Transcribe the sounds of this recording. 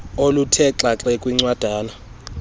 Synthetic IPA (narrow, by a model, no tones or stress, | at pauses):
olutʰɛǁaǁɛkʼwiŋ͡ǀwad̥ʱaːna